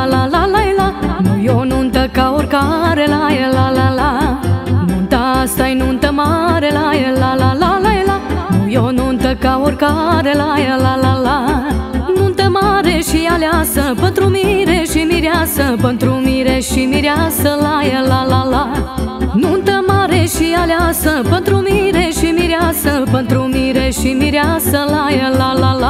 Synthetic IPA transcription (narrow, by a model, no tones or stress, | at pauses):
lalalajlanũjonunt̪əkaʋuɾkaɾelajəlalala | nunt̪asajnunt̪əmaɾelajəlalalalajlanujonunt̪əkaʋuɾkaɾelajəlalala | nunt̪əmaɾeɕialjasəpənt̪ɾumiɾeʃimiɾjasəpənt̪ɾumiɾeʃimiɾjasəlajəlalala | nunt̪əmaɾeɕialjasəpənt̪ɾumiɾeɕimiɾjasəpənt̪ɾumiɾeɕimiɾjasəlajəlalala